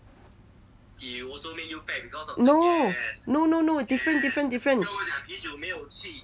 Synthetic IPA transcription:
iɔsomĩnjufɛbikʰɔsɔnosnononodifɹə̃ndifɹə̃ndifɹə̃nãid͡ʒomeɪjoʊt͡ɕʰi

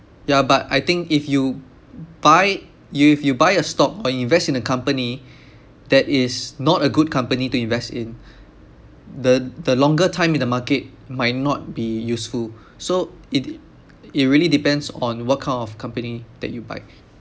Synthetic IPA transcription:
jabata̰jt̪ɪ̃ŋkifju | b̥aɪ | jufjubaɪəstɔkɔĩnvɛstĩnəkʰãmpəni | dɛtɪsnɔtəɡud̚kʰãmpənituĩɱvɛstɪ̃n | dədəlɔ̃ŋɡətʰãɪ̃mĩndəmaket̚ | maɪt̚nɔt̚bijusful | so | ɪt | it̚ɹiəlidipɛ̃ndsɔ̃nwɔt̚kʰãɪ̃ndɔfkʰãmpənid̥ɛ̰t̚juba̰ɪ

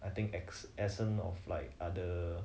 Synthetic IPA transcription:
ʔajt̪ĩŋkɛksɛsə̃nɔ̰fla̰ɪk̚adə

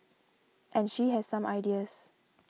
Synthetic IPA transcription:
ʔɛ̃nʃiɦɛssãmajdiəs

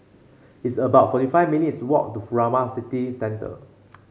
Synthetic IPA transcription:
itsəbaʊt̚fɔtifaɪvminitswɔ̰k̚tufuɹamasitisɛ̃ntə̰

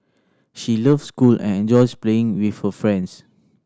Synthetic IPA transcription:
ʃilifskulɛ̰̃nɛ̃nd͡ʒɔɪspleɪ̃ŋwifhəfɹɛ̃nds

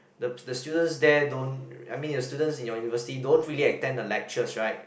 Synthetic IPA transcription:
dədəstjudə̃nsdɛdõnajmĩndəstjudə̃nsĩnjɔjunivəsitidõntɹiliɛk̚tɛ̃ndəlɛk̚t͡ʃəsɹaɪt̚

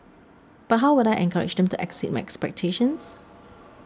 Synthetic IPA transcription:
b̥at̚ɦawwʊɾajʔɛ̰̃ŋkʰaɹɪ̰d͡ʒdɛ̃mtuʔɛ̰ksɛt̚maɪʔɛkspɛk̚tʰeʃə̃ns

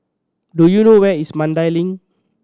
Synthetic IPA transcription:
dujunowɛismãndajlĩŋ

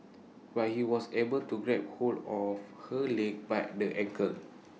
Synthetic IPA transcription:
wahiwɔsebəltuɡɹɛp̚holdɔfhəlek̚bajdəʔɛ̃kʰə

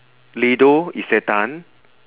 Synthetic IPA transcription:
lidoiset̪an

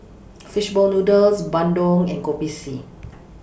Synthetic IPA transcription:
fiʃbɔlnudəlsbãndɔ̃ŋɛ̃nkopisi

